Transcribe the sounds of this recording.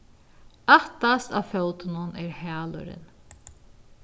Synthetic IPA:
aht̪ast̪a̰fœwt̪ɪnʊnɛːɾhæːlʊ̰ɾɪ̰n

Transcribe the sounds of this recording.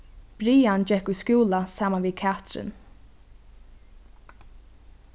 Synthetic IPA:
b̥ɾiːand͡ʒɛkʊjskjuːlasaːmanviːkʰaːt̪ɾɪ̰n

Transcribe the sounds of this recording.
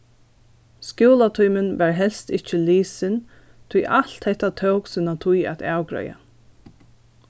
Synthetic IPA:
skjuːlat̪ʰujmɪnʋæɹɦɛlst̪ɪht͡ʃɪliːsɪn | t̪ʰʊjʔalt̪hɛht̪at̪ʰœwksɪnat̪ʰʊjæ̰t̪aːwɡɹœ̰ja̰

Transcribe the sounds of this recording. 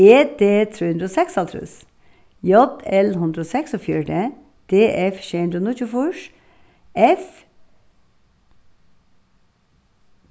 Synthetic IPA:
eːd̪eːt̪ʰɾuːʉnd̪ɾəoːsɛksɑlt̪ʰɾʉ̰s | jɔd̪ɛlɦʉnd̪ɾəoːsɛksofjyːɖe | d̪̥eːʔɛfʃeːhʉnd̪ɾoːnuːçʉːfuʃ | ʔɛf

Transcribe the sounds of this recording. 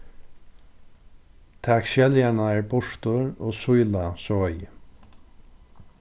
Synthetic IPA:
t̪ʰakʃɛljaɳaɛːɹbʊʂt̪ʊɹoːsʊjlasɔj

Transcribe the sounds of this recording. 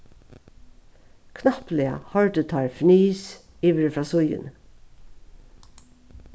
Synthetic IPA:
kʰnɑplɪɑ̰hɑɹɖət̪ʰɑːɹfniːs | iːʋəɾəfɹɑːsʊjə̰n

